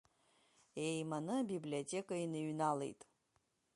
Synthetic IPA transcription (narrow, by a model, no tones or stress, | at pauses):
ejmanɨabibliotʲʰʼe̞kʼainɨɥnalḛjtʼ